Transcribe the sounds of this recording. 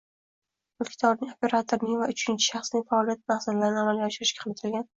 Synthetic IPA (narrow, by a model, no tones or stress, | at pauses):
ʊlkʲʰɪ̥t̪ʰɒɾnɪŋopʰʲe̞ɾat̪ʰoɾnɪŋvaʊt͡ʃʰɪnt͡ʃʰɪ̥ʃɑχsnɪŋʲfaɒːlijat̪̚mahsallaɾɪnɪamalʲaɒʃɪɾɪʃkʲḁqʰɨlɾɪt̪ʰɪlɡʲan